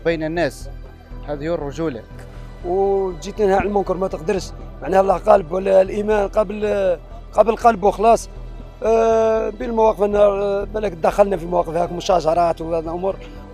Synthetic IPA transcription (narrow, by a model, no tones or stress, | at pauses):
bijnənːæs | hæd̪hurˤːʊʒulək | wt̪d͡ʒit̪ənhæʕlmʊnkəɾmæt̪əqd̪əɾʃmaʕnæhlˤːɑhqɑlbwəlælʔimænqɑbl | qɑbəlqɑlbwxlɑsˤ | bilmæwɑqəfənːɑɾbælæk̪̚d̪æxːəlnæfimæwɑqəfhækmʊʃæʒɑɾˤɑt̪wbæd̪lʔʊmuɾ